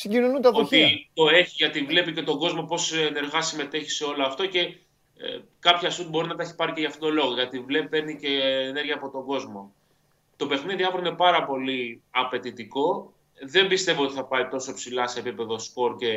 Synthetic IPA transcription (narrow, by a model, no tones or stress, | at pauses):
siɲɟinonunt̪ɐðoit̪o̞e̞çiʝɐt̪ivle̞pice̞t̪o̞ɡo̞zmo̞po̞sene̞ɾɣɐsime̞t̪e̞çi̥seo̞loɐft̪o̞ce̞ | kɐpçɐsut̪̚bo̞ɾinɐt̪ɐeçi̥pɐɾiceʝɐft̪ot̪olo̞ɣo̞ʝɐt̪ivlepe̞ɾnicene̞ɾʝɐːpo̞t̪o̞ŋɡo̞zmo̞ | t̪o̞pe̞xniðiɐfɾine̞pɐɾɐpo̞liɐpe̞t̪it̪iko̞ | ðe̞mbist̪e̞viot̪i̥θɐpɐit̪o̞so̞psilɐse̞pipe̞ðo̞sko̞ɾce̞